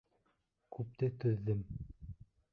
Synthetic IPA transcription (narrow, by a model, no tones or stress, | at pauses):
kʉp̚t̪ɘt̪ɵ̆ðːɘm